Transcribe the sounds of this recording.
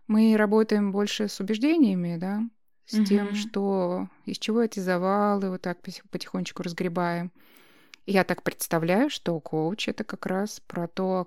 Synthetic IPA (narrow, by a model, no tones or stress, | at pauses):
mɨɾɐbo̞t̪əjɪmbo̞lʲʂɨsʊbʲɪʐdʲenʲɪjəmʲɪd̪a | sʲtʲe̞mʂt̪o | ɪsʲt͡ɕɪvo̞ɛtʲɪzɐvalˠɨvot̪ːak̚ppətʲɪ̥xonʲːɪt͡ɕʲkʊɾəzɡɾʲɪbajɪm | ɪjat̪ak̚pɾʲɪt̪st̪ɐvlʲæjʊʂt̪o̞kʰoʊt͡ɕɛt̪əkɐkɾaspɾɐt̪o